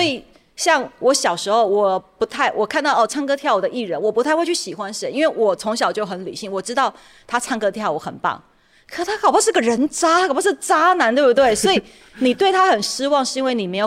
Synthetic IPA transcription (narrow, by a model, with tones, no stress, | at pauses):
swɔ˧˥i˨˩ | ɕjɑ˥˩ŋwɔ˧˥ɕjɑ˨˩ʊʂɻ̩˧˥xo˥˧ʊwɔ˨˩pu˧˥t̪ʰa˥˩ɪwɔ˨˩kʰa˥˧nt̪ɑ˥˩ʊɔ˥˨˩ʈ͡ʂʰa˥ŋkɤ˥t̪ʰjɑ˥˩ʊwɔ˨˩d̪ə˧ʔi˥˩ɻə˧˥nwɔ˨˩pu˧˥a˥˧xwt͡ɕʰy˥˩ɕi˨˩xwa˦nʂə˧˥ni˥nwe˥˩ɪwɔ˨˩t͡sʰʊ˧˥ŋɕ̬jɑ˨˩ʊt͡ɕjo˥˩ʊxə˧˥nlḭ˨˩ɕi˥˩ŋwɔ˨˩ʈ͡ʂɻ̩˥t̪ɑ˥˩ʊ | t̪ʰa˥ʈ͡ʂʰa˥ŋkɤ˥t̪ʰjɑ˥˩ʊwɔ˧˦xə̰˨˩npɑ̰˥˩ŋ | kʰə˨˩ʂʰa˥kʰɑ˨˩ʊpʰʂɻ̩˥˧ɡə˨ɻə˧˥nʈ͡ʂa˥a˥kʰɑ˥ʂɻ̩˥˩t͡sa˥na˧˥nt̪wbtwe˥˩ɪswɔ˧˥i˨˩ | ni˨˩t̪we˥˩ɪt̪ʰa˥xə˨˩nʂi˥wɑ˥˧ŋʂɻ̩˥˩˧i˥nwe˥˩ɪni˨˩me˧˥ɪo˨˩